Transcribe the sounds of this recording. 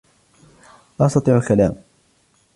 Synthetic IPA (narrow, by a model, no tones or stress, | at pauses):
ʔɑst̪ɑt̪ˤiːʕalkalaːm